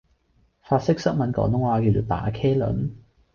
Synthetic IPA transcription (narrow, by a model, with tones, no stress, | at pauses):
faː˧t̚sɪ˥k̚sɐ˥k̚mɐ˨˥nkɔ̰ː˨˥ŋt̪ʊ˥ŋwaː˧ki˧wt͡ʃo˨˩t̪a̰ː˨˥kʰɛː˥lɵ̰˨˥n